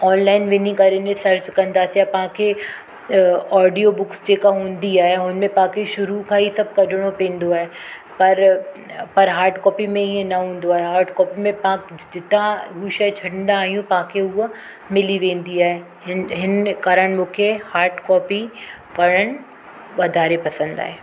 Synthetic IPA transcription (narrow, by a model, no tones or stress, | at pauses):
ɔːnlaːɪnʋɪnĩkɐɾenẽsɐɾt͡ɕkɐ̃nd̪aːsijapɐɦãkʰe | ɔːɖijobʊksd͡ʑeːkaɦũːnd̪iaːɦeɦʊnnmẽpɐɦãkʰeʃʊɾukʰãisɐb̚kɐɗʱɪɽ̃opẽːnd̪oaːɦe | pɐɾ | pɐɾɦaːɾʈkɔːpimẽiẽnɐɦũːn̆d̪oaːɦeɦaːɾʈkɔːpimẽpɐãkd͡ʑɪt̪ãɦuʃɐt͡ɕʰɐɽɪnd̪aːɦijũpɐ̃ɦãkʰeʊɦ | mɪliʋẽːn̆d̪iaːɦe | ɦɪnkaːɾəɽ̃mʊ̃kʰehaːɾʈkɔːpi | ʋɐɾəɽ̃ | ʋɐd̪ʱaːɾepɐsə̃nd̪a̰ːɦeː